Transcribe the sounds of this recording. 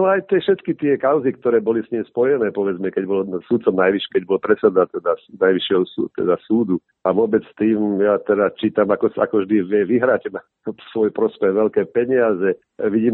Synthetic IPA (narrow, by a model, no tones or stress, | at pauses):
ɛajt̪ɪɛfʃɛt̪kit̪ɪɛkaʊzikt̪ɔɾɛːbɔlisɲimspɔjɛnɛːpɔʋɛd͡zmɛkɛɟbɔlsut̪t͡sɔmnajʋiʃkɛɟ̚bɔlpɾɛt͡sɛd̪at̪ɛd̪asnajʋiʃɪɛɦɔst̪ɛ̰d̪asuːd̪u | ʔaʋʊɔbɛt͡st̪iːmjat̪ɛd̪at͡ʃiːt̪amakɔsa̰kɔʒd̪iʋɪɛʋiɦɾacna | sʋɔjpɾɔspɛɣʋɛlkɛːpɛɲɪazɛ | ʋiɟiːm